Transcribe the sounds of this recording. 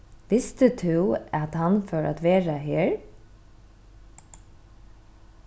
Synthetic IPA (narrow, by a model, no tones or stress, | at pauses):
ʋɪst̪ət̪ʰʉːat̪hɑnfœːɹʔa̰t̪ʋeːɹaɦeːɹ